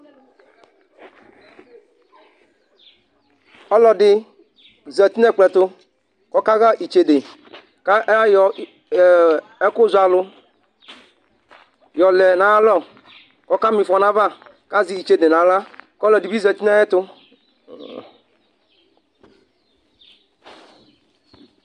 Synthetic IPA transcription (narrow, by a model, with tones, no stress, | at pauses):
ɔ˦lɔ˨dɪ˨ | zɛ˨t̪i˦nɛ˦˨k͡plɛ˨tʊ˦ | kɔ˦ka˦ɣa˦ʔi˨t͡ʃe˨de˨ | ka˦ʔɛ˦jɔ˨ | ɛ˦kʊ˦za˨lʊ˧ | jɔ˨lɛ˨nã˦lɔ˦˨ | kɔ˦ka˦mĩ˨fɔ˨nã˦va˦˨ | ka˦zi˨i˨t͡ʃe˨de˨nã˨˦la˦kɔ˦lɔ˨di˨bi˦zɛ˨t̪i˦nɛ˦ɛ˦tʊ˦